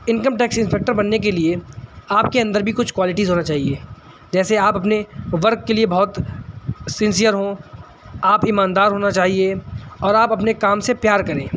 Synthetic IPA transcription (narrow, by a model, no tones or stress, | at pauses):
ɪ̃nkəmʈɛːksɪ̃nspek̚ʈəɾbɐnːek̬elieaːpkeɐ̃nd̪əɾbʱikʊt͡ʃʰkwaːlɪʈizɦoːnat͡ʃaːɦieː | d͡ʒɛːseaːpɐpneʋɐɾkːeliebɔɦt̪ | sɪ̃nsijəɾɦõ | aːpɪmaːnd̪aːɾɦoːnat͡ʃaːɦieɔːɾaːpɐpnekaːmsepjaːɾkɐɾẽː